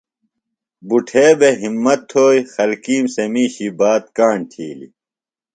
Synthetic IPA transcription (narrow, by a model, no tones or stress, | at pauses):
buʈʰeːbeɦimːɐt̪ʰːoːixɐlkiːmsemiːɕibaːt̪̚kaːɳʈʰḭːlḭ